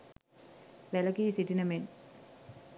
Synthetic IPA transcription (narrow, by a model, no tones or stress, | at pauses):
ʋælɐkiːsiʈinəmen